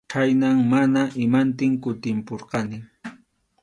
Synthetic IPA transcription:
kʰajnaŋmanaʔɪmant̪ɪŋkʊt̪ɪmpoɾqɑnɪ

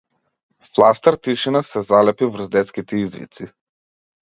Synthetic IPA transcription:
flˠast̪aɾt̪iʃinasɛzalɛpivr̩zd̪ɛt̪skit̪ɛizvḭt̪si

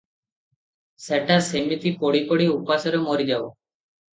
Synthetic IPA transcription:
seʈasemit̪ipoɽipɔɽiupasɔɾemoɾid͡ʒabɔ

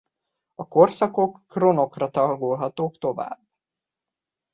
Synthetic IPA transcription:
ɒko̞rsɒko̞kːro̞no̞krɒt̪ɒlɡolɦɒt̪oːkt̪o̞va̰ːbː

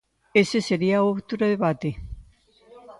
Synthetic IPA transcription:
eseseɾiaoβt̪uɾaðeβat̪e

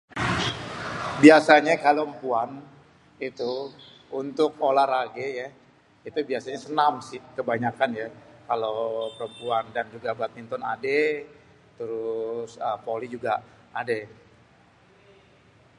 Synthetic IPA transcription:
biasaɲakaloəmpuan | it̪u | unt̪ʊkolaɾaɡeja | it̪ubiasaɲasənamsɪhkəbaɲakanjakalopəɾəmpuandand͡ʒuɡabat̪̚mint̪ɔnade | t̪əɾʊsəpolid͡ʒuɡa | ʔade

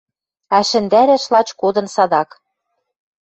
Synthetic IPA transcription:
æʃɘ̆nd̪æɾæʃlɑt͡ɕkod̪ɤ̆nsɑd̪ɑk

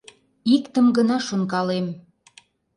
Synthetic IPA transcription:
ikt̪əmɡənɑʃonkɑlem

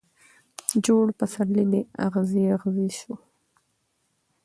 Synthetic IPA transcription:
d͡ʒoɽpasaɾlid̪ea̰ɣziaɣziʃu

